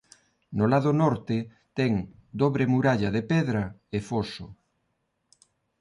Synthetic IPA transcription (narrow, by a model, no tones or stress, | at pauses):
nʊlaðʊnɔɾt̪ɪ | t̪ɛŋd̪oβɾemuɾaʎɐðepɛðɾɐefoso